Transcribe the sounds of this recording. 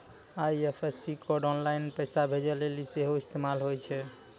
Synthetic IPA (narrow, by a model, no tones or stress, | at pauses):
ajepʰesikɔɾɖɔnlajinpəjsabʱed͡ʒɛleliseɦoist̪emalɦojt͡ʃʰɛ